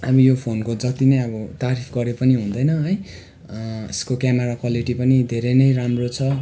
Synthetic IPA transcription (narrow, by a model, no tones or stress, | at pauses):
ʌbʌjopʰonkod͡zʌt̪inʌjʌbʌt̪aɾipʰɡʌɾepʌniɦũnd̪ʌjnʌɦʌj | eskokameɾakwaliʈipʌnid̪ʱeɾʌnʌjramrot͡sʰʌ